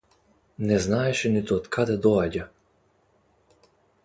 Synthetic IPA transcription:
nɛznaɛʃɛnit̪uɔt̪kʰad̪ɛd̪ɔaɟa

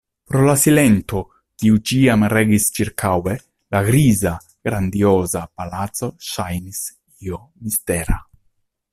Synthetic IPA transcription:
pɾolasilɛnt̪o | kiud͡ʒiːamrɛɡist͡ʃiɾkʰawe | laɡɾiːza | ɡ̥ɾand̪ioːzapalat̪soʃajnis | io | mist̪ɛːɾa̰

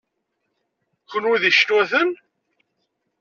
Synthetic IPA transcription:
kənuðiʃnwæθən

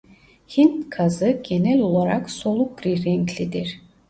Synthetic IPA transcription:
hint̪kʰazɯɟʲenɛlʲolˠaɾaksolˠukɾiɾɛŋkʰlid̪iɾ

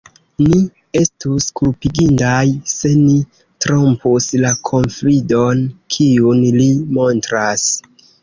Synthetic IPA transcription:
ni | e̞stuskulpiɡindajse̞ni | tɾo̞mpuslakʰo̞nflido̞nkʰiunlimo̞ntɾas

